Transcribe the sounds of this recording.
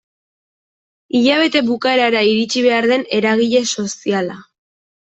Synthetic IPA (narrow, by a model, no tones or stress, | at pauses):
iʎaβ̞e̞t̪e̞βukae̞ɾaɾaiɾit͡ʃiβ̞e̞aɾð̞e̞ne̞ɾaɣ̞iʎe̞so̞siala